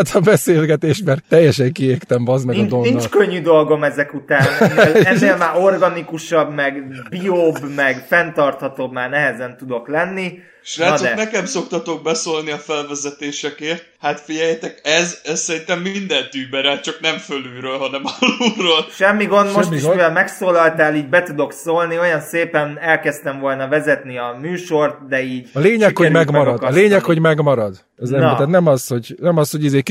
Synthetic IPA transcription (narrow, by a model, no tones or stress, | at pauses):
t̪ʰɒbɛseːlɡɛt̪eːʃmɛrt̪ːɛjːɛʃɛŋkieːrt̪ɛmvɒzmɛnind̪onint͡ʃkøɲːyd̪o̞lɡo̞mɛzɛkut̪aːnɛnːeːlɛːeːlmaːɾo̞rɡɒnikuʃɒbmɛɡbioːbmɛɡfɛnt̪ɒrt̪hɒt̪obmaːrnɛɦɛzɛnt̪ud̪o̞klɛnːi | ʃraːsɛnɛkɛmso̞kt̪ɒt̪o̞ɡ̚bɛsoːlniɒfɛlvɛzɛt̪eːʃɛkeːrt̪̚hat̪fiɟɛjːɛt̪ɛkɛzɛssɛɾint̪ɛmːind̪ɛnt̪yːbɛɾɛlt͡ʃɒknɛmfølyːɾøːlɦɒnɛmɒluroːlʃɛmːiɡo̞nd̪moʃtːivɛlmɛksoːlɒlt̪aːliːɟbɛt̪ud̪o̞ksoːlnio̞jɒnseːpɛnɛlkɛst̪ɛɱvo̞lnɒvɛzɛt̪niɒmyːʃo̞rt̪̚d̪ɛiːɟɒleːɲɛkhoɟmɛɡmɒɾɒd̪ɒleːɲɛkho̞ɟmɛɡmɒɾɒd̪ | ɒzɛmiɛːt̪nɛmɒsho̞ɟnɛmɒshoɟizeːk